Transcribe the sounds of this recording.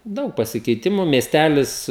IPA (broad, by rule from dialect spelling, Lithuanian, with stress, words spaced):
ˈdɐʊk pɐsʲɪkʲɛɪˈtʲɪmʊ mʲiɛsʲˈtʲælʲɪs